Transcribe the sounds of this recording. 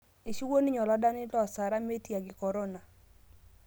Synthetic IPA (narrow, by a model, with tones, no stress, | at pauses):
ɪ˨ʃi˦wo˦ni˦ɲɔ˨lɔ˨˦da˦nɪ˦lɔ˨sa˨ɾa˦me˦tja˨ɡɪ˨kɔ˨ɾo˦na˨